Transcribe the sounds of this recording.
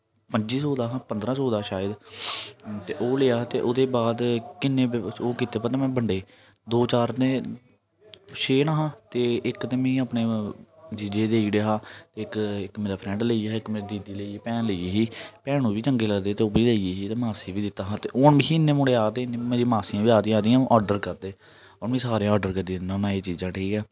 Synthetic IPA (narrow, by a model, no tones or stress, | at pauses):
pəɲd͡ʒiːsoːd̪aːɦãːpənd̪ɾãːsoːd̪aːʃaːəd̪ | t̪eːʔoːleaːt̪eːʔʊd̪eːbaːd̪kɪnːẽːoːkɪt̪eːpət̪ẽːmɛ̃ːbəɳɖeː | d̪oːt͡ʃaːɾt̪ẽː | ʃeːnaːɦãːt̪eːɪkt̪eːmĩːaːpneːd͡ʒid͡ʒeːd̪eːiːɽeɦaːt̪eːɪkɪkmeːɾaːpʰɾɛ̃ːɳɖləiːaːɪkmeːɾiːd̪iːd̪iːləiːeːpɛːnləijeːɦiːpɛːɽ̃ũːʋiːt͡ʃəŋɡeːləɡd̪eːt̪eːʊbɾiːləieːɦiːt̪eːmaːsiːbiːd̪ɪt̪ːaːɦãːt̪eːʔoːnbiːɪnːeːmʊɽeːaːt̪eːɪnẽːmeːɾĩːmaːsiãːbiːaːd̪ĩːaːd̪iːãːʔɔːɾɖəɾkəɾd̪eː | ɔːɾmɛ̃ːsaːɾeãɔːɖəɾkəd̪ĩnə̃ːnaːet͡ʃiːzãːʈʰiːkɛː